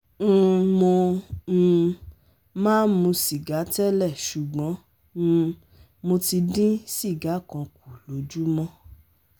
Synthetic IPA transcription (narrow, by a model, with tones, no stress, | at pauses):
n̩˧mõ˧ñ̩˧ | mãː˦mũ˧si˨ɡa˨˦tɛ˦lɛ˦˨ʃu˨ɡ͡bɔ̃˨˦˧ | mo˧ti˧dĩ˦si˦˨ɡa˨˦kɔ̃˧k̚u˨lo˨˦d͡ʒu˦mɔ̃˦